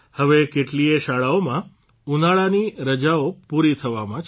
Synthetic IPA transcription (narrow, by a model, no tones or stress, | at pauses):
həʋekeʈlieʃaɭaomã | unaɭaniɾəd͡ʒaopuɾit̪ʰəʋamãt͡ʃ